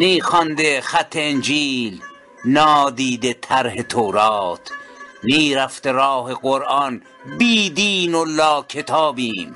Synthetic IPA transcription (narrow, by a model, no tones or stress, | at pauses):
niːxɒnd̪exæt̪ʰːeend͡ʒiːl | nɒːd̪iːd̪et̪ʰæɾɦet̪ʰoːɾɑːt̪ʰniːɾæft̪eɾɑːheɡoɾɑn | biːd̪iːnolɒːkʰet̪ʰɑːbiːm